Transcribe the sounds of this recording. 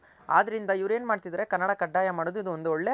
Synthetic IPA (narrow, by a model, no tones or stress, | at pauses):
a̰ːd̪ɐɾind̪ɐiʋɐɾe̞ːnmaːɖt̪id̪ɐɾe̞kɐnːɐɽɐkɐɖːaːjɐmaːɽoːd̪uid̪uond̪uɔɭːe